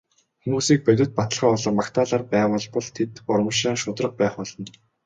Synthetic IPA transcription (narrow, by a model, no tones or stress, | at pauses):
xemuːsiːk̚pæt̪ʲɪ̆t̪̚pat̪ə̆ɮχaːʊɮɞ̆rmakt̪ʰaːɮaːrpæːwʊ̆ɮpɔɮt̪ʰet̪ʊɾə̆mə̆ʃaːŋʃʊt̪rə̆q̚pæːχʊɮɞ̆n